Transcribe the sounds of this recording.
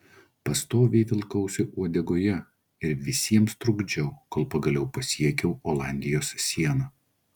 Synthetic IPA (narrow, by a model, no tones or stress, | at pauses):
pɐst̪oːʋʲiːt̪ʲɪlˠkɐʊsʲɪʔuɔd̪ʲɛɡoːjɛ | ɪɾʋʲɪsʲiɛmst̪ɾʊɡd͡ʒʲɛʊkoːlˠpɐɡɐlʲɛʊpɐsʲiɛkʲɛʊoːlˠɑˑnʲd̪ʲɪjoːssʲiɛnɐ